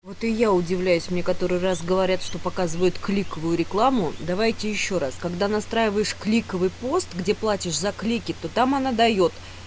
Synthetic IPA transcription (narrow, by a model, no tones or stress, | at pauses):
vo̞t̪ɪjaʊdʲɪvlʲæjʉsʲmnʲe̞kɐt̪o̞ɾɨjrasɡəvɐɾʲat̪ʂt̪o̞pɐkazɨvəjʊt̪klʲikəvʊjʊɾʲɪklˠamʊd̪ɐvajtʲɪjɪɕːo̞ɾaskɐɡd̪anɐst̪ɾajɪvəjɪʂklʲikəvɨjpo̞st̪ɡdʲe̞plˠatʲɪʂzɐklʲikʲɪt̪o̞t̪amɐnad̪ɐjo̞t̪